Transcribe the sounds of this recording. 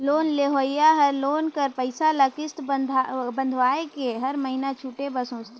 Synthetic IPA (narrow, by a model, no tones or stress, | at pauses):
loːnleɦoːjaɦɐɾloːnkɐɾpəɪsalɐkɪst̪d̪ʱbɐ̃nd̪ʱʋaːekeɦɐɾməɦinat͡ʃʰuːʈebɐsõːt͡ʃt̪e